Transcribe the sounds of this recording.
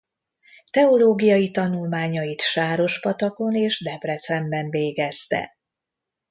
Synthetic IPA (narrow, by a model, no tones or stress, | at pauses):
t̪ɛo̞loːɡijɒjit̪ɒnulmaːɲɒjit̪ʃaːɾo̞ʃpɒt̪ɒko̞neːʒd̪ɛprɛt̪sɛmbɛɱveːɡɛst̪ɛ̰